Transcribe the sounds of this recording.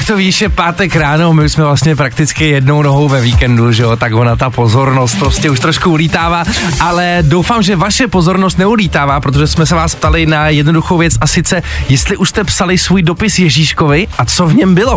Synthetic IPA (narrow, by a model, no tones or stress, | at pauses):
kt̪oviʃɛpaːt̪ɛkɾaːno̞mɪuʃsmɛvlast̪ɲɛp̬ɾak̚t̪ɪt͡skɪjɛdno̞wno̞ɦo̞wvɛviːkɛnduʒɛjot̪akvonat̪apo̞zo̞ɾno̞st̪̚pɾoscɛuʃt̪ɾoʃkuuliːt̪aːvaːʔalɛdo̞wfaːmʒɛvaʃɛpo̞zo̞ɾnost̪nɛuliːt̪aːvaːpɾot̪oʒɛsmɛs̬ɛvaːspt̪alɪnajɛdno̞duxowvjɛt͡sʔasɪt͡sɛjɛst̪lɪʔuʃst̪ɛpsalɪsvuːjdo̞pɪsjɛʒiːʃkovɪʔat͡sovɲɛmbɪlo̞